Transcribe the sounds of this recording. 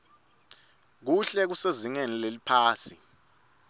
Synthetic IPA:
k̬uɬɛk̬useziŋenilelipʰaːsi

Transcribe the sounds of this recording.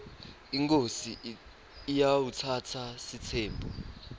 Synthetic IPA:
iŋkʼosiː | jawutʰatʰasitʰɛːmbʱɔ

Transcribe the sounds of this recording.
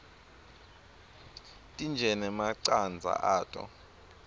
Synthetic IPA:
tʼind͡ʒʱɛnɛmaǀand͡zʱa̰ʔaːtʼɔ̰

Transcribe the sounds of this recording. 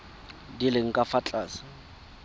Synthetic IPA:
dilɪŋ̩kʼafat͡ɬʼaːsɪ̥

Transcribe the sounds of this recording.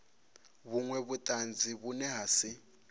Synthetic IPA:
βuŋwɛβutʼand͡ziβunɛɦasɪ

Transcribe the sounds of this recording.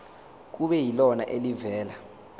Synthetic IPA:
k̬uɓɛjilɔna̰ʔelivɛːla

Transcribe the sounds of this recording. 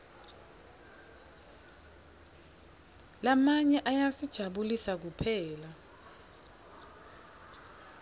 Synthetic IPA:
lamaɲɛʔajasid̥ʒ̥ʱaɓulisak̬upʰɛːla

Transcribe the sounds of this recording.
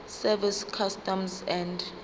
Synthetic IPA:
sɛviskʰastɔmsɛ̃nd

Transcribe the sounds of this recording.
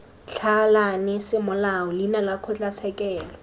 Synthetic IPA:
t͡ɬʰalanɪsɪmʊlaʊlinalakʰʊt͡ɬʼat͡sʰɛkʼɛːlɔ

